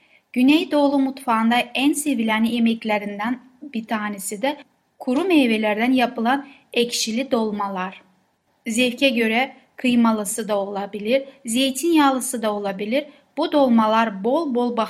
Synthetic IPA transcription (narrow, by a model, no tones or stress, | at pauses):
ɟ̥ynɛjd̪o̞ːlˠumut̪fand̪aænsevilʲaniemɛclʲeɾind̪æn | bit̪ʰaːnesid̪ɛ | kʰuɾumejve̞lʲæɾd̪ænjapɯlˠanɛcʃilʲid̪o̞lˠmalˠaɾ̥ | zɛfcʰɛɟø̞ɾɛ | kʰɯjmalˠɯsɯd̪ao̞lˠabilʲiɾzejt̪ʰinjaːlˠɯsɯd̪ao̞lˠabilʲiɾ | b̥ud̪o̞lˠmalˠaɾbo̞lˠbo̞lˠba